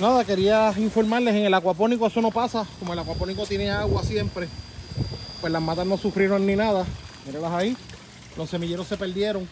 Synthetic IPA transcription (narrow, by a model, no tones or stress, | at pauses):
naðake̞ɾiasiɱfo̞ɾmaɾle̞seŋe̞lakwapo̞nikoesono̞pasakomoe̞lakwaponikot̪je̞neaɣwasje̞mpɾe̞ | pwelamãt̪ano̞sufɾieɾo̞ŋnĩnaðamiɾelasai | lʔo̞sːe̞miʝe̞ɾosːe̞pe̞ld̪je̞ɾo̞ŋ